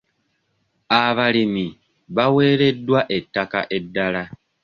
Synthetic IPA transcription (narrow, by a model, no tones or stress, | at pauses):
aβalimi | βawe̞ːɾe̞dːwaʔe̞tːaka̰ʔe̞dːala